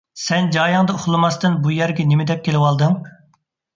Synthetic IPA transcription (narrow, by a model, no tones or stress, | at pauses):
sɛnd͡ʒɑːjɑŋd̪ɑuχlˠɨmɑst̪ɨnbujɛɾɡʲɛnɪmɪd̪ɛp̚kʲʰelɪwɑlˠd̪ɨŋ